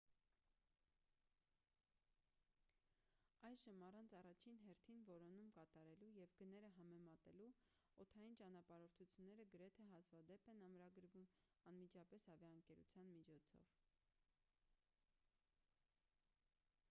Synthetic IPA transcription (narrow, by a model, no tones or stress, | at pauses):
ɑjʒəmɑrɑnt͡sʰɑrɑt͡ʃʰinɦɛɾt̪ʰinvɔɾɔnumkɑt̪ɑɾɛlujɛvɡənɛɾəɦɑmɛmɑt̪ɛlu | ɔt̪ʰɑjint͡ʃɑnɑpɑɾɔɾt̪ʰut͡sʰjunːɛɾəɡəɾɛt̪ʰɛɦɑzvɑd̪ɛpɛnɑmɾɑɡəɾvum | ɑnmid͡ʒɑpɛshɑvjɑəŋkɛɾṵt͡sʰjɑnmit͡ʃʰɔt͡sʰɔ̰v